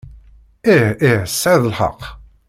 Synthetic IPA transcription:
iiʕəsːaðəlħə̰qː

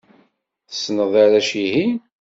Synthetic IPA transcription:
θə̥snəðˤaɾæʃiɦin

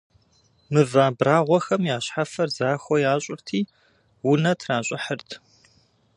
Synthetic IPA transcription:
mɨvaːbraːʁʷɔxɐmjaːɕħafɐrzaːxʷɔjaːɕʼɪrtʰiː | wʊnɐtʰraːɕʼɪħərtʰ

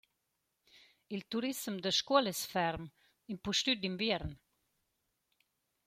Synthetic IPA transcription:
ilt̪uɾismd̪əʃkɔlɛsfɛɾm | impuʃt̪yd̪imbjɛɾn

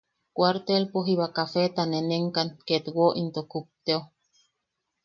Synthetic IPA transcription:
kʷaɾt̪elpoɦiβakafet̪aneneŋkanket̪woʔint̪okup̚t̪eo

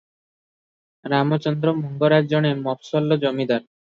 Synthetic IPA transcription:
ɾamot͡ɕɔnd̪ɾomuŋɡoɾad͡ʑoɽ̃emɔpsɔlːod͡ʑɔmid̪aɾ

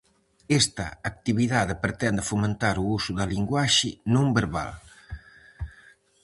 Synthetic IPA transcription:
est̪ɐːk̚t̪iβiðaðpɾet̪ɛnd̪əfument̪aɾuusuðəliŋɡwaʃinũmbəɾβa̰l

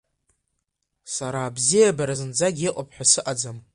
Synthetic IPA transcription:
saɾaːbzijabaɾazɨnd͡zaɡʲiqʷʼapʰħʷᶣasɨʔad͡zam

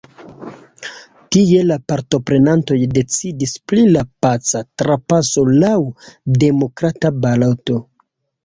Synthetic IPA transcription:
tie̞lapaɾto̞pɾe̞nanto̞jde̞t͡sidisplilapat͡satɾapaso̞lawde̞mo̞kɾatabaloto̞

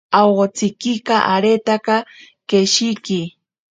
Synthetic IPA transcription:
ɑwɢot͡sɪkɪqɑʔaɾet̪aqɑ | keʃɪjkɪ

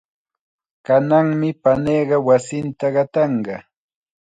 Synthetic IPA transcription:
kanaŋmɪpaneːɢɑwasɪnt̪aɢɑt̪ɑɴɢɑ

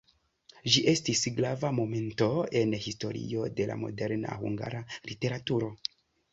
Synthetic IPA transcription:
ʒiʔe̞stisɡɾavamo̞me̞nto̞e̞nhisto̞̰ɾḭo̞de̞la̰mo̞̰de̞ɾna̰hṵŋɡa̰ɾalite̞ɾatuɾo̞

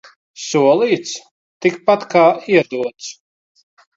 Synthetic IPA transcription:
suɔlˠiːt̪s | t̪ikpat̪kaːiɛd̪uɔt̪s

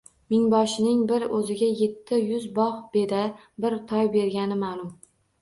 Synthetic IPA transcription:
mɪŋbɒʃɪnɪŋbɪɾɵzɪɡʲaje̞t̪ʰːɪjʊzbɒχb̥e̞d̪a | bɪɾt̪ʰɒjbe̞ɾɡʲanɪmalˠʊm

